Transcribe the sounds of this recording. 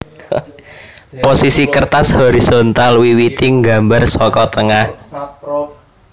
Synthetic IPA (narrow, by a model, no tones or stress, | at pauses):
posisikərt̪ashoɾisont̪alwiwit̪iŋɡambarsɔkɔt̪əŋah